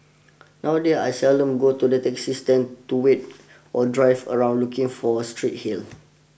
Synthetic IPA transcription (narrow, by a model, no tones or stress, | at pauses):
nawədɛa̰jsɛldə̃mɡotudɛtɛksistə̃ntuwet̚ | ʔɔdɹajvə̰ɹãw̃ndlukĩŋfɔstɹit̚hil